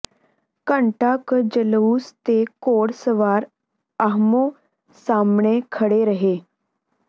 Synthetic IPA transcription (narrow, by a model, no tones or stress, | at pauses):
kəɳʈakəd͡ʑəluːst̪ekoɽsəʋaɾ | əɦmo | samɳekʰəɽeɾəɦe